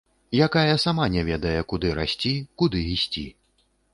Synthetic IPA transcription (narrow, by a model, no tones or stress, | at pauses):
jakajɐsamanʲɛvʲɛd̪ɐjɛkud̪ɨɾa̰sʲt͡sʲikud̪ɨisʲt͡sʲḭ